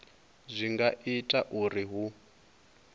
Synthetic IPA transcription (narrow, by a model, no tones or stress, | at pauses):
zʷiŋɡaʔitʼaʔuriɦu